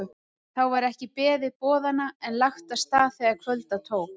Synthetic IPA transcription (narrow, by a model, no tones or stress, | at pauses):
θawvaɾɛhcɪpɛːðɪpɔːðanːaɛnlaxt̪aðst̪aːθɛɣaɾkʰvœlt̪at̪ʰoːwk